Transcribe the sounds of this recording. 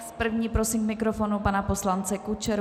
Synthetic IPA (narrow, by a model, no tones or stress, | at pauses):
pr̩vɲiːpɾo̞simkmɪkɾofonupanapo̞slant͡sɛkut͡ʃɛɾ